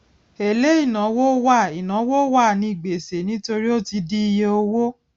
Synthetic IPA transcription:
e˨le˦i˦˨nã˨˦wo˦wa˦˨i˨nã˨˦wo˦wa˦˨nĩ˧i˦˨ɡ͡be˨se˨˦nĩ˦to˧ɾi˦o˦ti˧di˦i˧je˧o˧wo˦

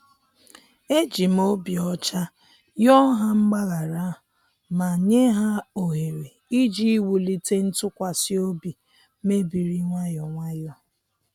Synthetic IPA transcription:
e˦d͡ʒi˨m̩˨o˦bi˨ɔ˦t͡ʃa˦ | jɔ˦ɦa˦ŋ͡m̩˦ɡ͡ba˦ɣa˨ɾa˦ | ma˨ɲe˦ɦa˦o˨ɦe˨ɾe˨ | i˦d͡ʒi˦i˦wu˨li˦te˦n̩˦tʊ˦kʷa˨si˦o˦bi˨ | me˦bi˨ɾi˦ŋʷa˦jɔ˨ŋʷa˦jɔ˦

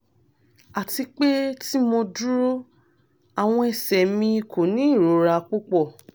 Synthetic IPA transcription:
a˨ti˧k͡pe˦ti˦mo˧du˦ɾo˦ | a˨w̃ɔ̃˧ɛ˨sɛ˨mĩ˧i˧ko˨nĩ˨˦i˦˨ɾo˨˦ɾa˧k͡pu˦k͡pɔ˦˨

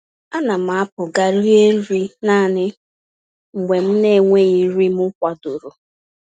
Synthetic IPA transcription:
a˦na˨m̩˨a˦pʊ˨ɡa˨ɾi˦e˦ɾi˦na˦˨nɪ˦ | ŋ͡m̩˨ɡ͡be˨m̩˦ne˦˨ŋʷe˦i˨˦ɾi˦m˦ʊ˦kʷa˨dʊ˨ɾo˨

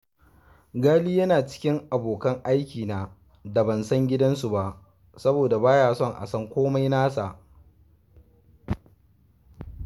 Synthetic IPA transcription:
ɡaː˦liː˦jɐ˦naː˨t͡ʃɪ̥˦kʲɪ˦ŋʔa˨boː˨kɐ˦ŋʔa˦jkʲiː˨naː˨ | da˨bɐ˨nsɐ˦ŋɡʲɪ˦dɐ˦nsu˨ba˨ʔ | sɐ˦boː˨da˨baː˦jaː˨sɔ˦˨ŋʔa̰˨sɐ˦ŋkʷoː˦ma˦jnaː˦sa˨ʔ

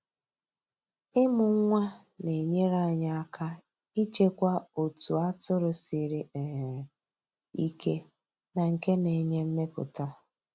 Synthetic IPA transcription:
ɪ˦mʊ˨ŋ̩˦ŋʷa˦ | ne˨ɲe˦ɾa˦˨ɲa˦a˦kʰa˦ | i˦t͡ʃe˦kʷa˦o˨tu˨a˦tʊ˦ɾʊ˨sɪ˨ɾɪ˨ | i˦kʰe˦ | na˨ŋ̩˨ke˦ne˨ɲe˦m̩˦me˦pʊ̰˨ta˦

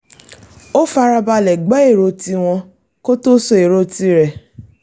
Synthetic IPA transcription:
o˦fa˧ɾa˧ba˧lɛ˨ɡ͡bɛ˨˦e˦˨ɾo˧˦ti˧w̃ɔ̃˧ | ko˦to˦so˧˦e˨ɾo˦ti˧˦ɾɛ˨

